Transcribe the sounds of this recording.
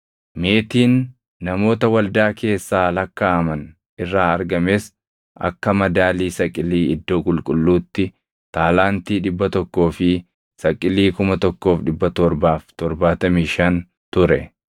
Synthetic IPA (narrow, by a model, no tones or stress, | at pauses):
me̞ːt̪iːnː | ɐmo̞ːt̪ɐwɐld̪aːke̞ːsːaːlɐkːaɐmɐn | ɪrːaːɐɾɡɐmeːs | ʔɐ̰kːɐmɐd̪aːliːsɐkʼːɪliːɪd̪ːo̞ːkʼʊlkʼʊlːuːt̪ːɪ | t̪aːlaːnt̪iːᶑɪbːɐt̪ɔkːo̞ːfɪ | sɐkʼːɪliːkʊmɐt̪ɔkːo̞ːfᶑɪbːɐt̪ɔɾbaːft̪ɔɾbaːt̪ɐmiːʃɐn | t̪ʊɾɛ̰